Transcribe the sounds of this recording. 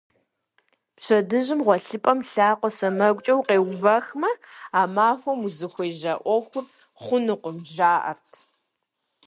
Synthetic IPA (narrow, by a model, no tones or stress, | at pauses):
pɕʰɐdɨʑɪmʁʷɔɬɨpʼɐmɬaːqʷɔsɐmɐɡʷʼt͡ʃʼɐwqeːwvɐxmɐaːmaːfʷɐmuzɨxʷeːʒɐʔʷɔxʷʊr | χʷʊnɨqʷʊmʒaːʔɐ̰rtʰ